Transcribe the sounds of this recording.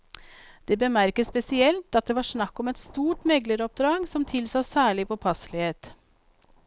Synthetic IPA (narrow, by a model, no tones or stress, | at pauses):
d̪̥eːbəmæɾkəspɛsɪɛlt̪ɑt̪̚d̪eːʋɑːʂɳɑkːɔmɛt̪st̪uːʈmɛɡləɾɔp̚d̪ɾɑːɡsɔmt̪ʰɪlsɑsæːɭɪpʰoːpʰɑslɪheːt̪